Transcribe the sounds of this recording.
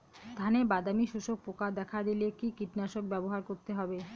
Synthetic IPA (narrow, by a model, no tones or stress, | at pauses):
d̪ʱanebad̪amiʃuʃok̚pokad̪ɛkʰad̪ilekikiʈnaʃok̚bɛboɦaɾkoɾt̪eɦɔbe